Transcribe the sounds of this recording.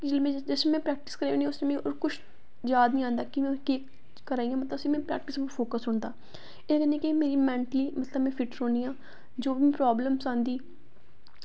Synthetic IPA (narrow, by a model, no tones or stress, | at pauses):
kɪd͡ʒɪlmẽːd͡ʒəsneːmɛ̃ːpɾɛːk̚ʈɪ̥skəɾːeːnːʊsnẽmɛ̃ːo̰ːɾkʊt͡ʃʰ | zjaːd̪nĩːãːnd̪aːkɪmɛ̃ːkeː | kəɾaːiːjãːmət̪ləbəsiːmɛ̃ːpɾɛ̰ːk̚ʈɪspʰoːkəsɦʊɳd̪aː | eːkənĩːkeimeːɾiːmɛ̃ːɳʈəliːmət̪ləbmɛ̃ːpʰɪʈɾõːniːãː | d͡ʒoːbiĩːpɾaːbləmsãːnd̪iː